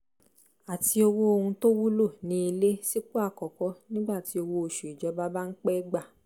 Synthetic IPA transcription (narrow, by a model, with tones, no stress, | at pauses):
a˨ti˧o˧wo˦o˧hũ˧to˦wu˦lo˦˨nĩ˨˦i˧le˦si˦k͡po˦a˦˨kɔ˨kɔ˧˦nĩ˦ɡ͡ba˦˨ti˨˧o˧wo˧o˨ʃu˨i˨d͡ʒɔ˨˦ba˦ba˦n̩˦k͡pɛ˦i˦ɡ͡ba˦˨